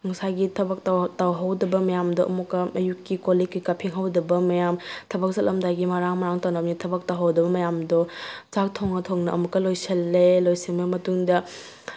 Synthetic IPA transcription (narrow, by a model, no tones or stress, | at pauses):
ŋɐsajɡitʰɐbɐk̚tawtawɦawdɐbɐmɐjamdɔʔɐ̰mukːɐʔɐjukːikolikːikapʰiŋɦawdɐbɐmɐjamtʰɐbɐk̚zɐtlɐmdajɡimɐɾaŋmɐɾaŋtawnɐmnitʰɐbɐk̚tawɦawdɐbɐmɐjamdɔt͡ʃak̚tʰoŋɐtʰoŋnɐʔɐmukːɐlojsɐlːelojsiŋbɐmɐtuŋdɐ